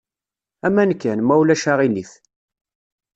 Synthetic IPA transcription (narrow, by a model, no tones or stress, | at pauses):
æmænkːænmæwlæʃaʁiniθ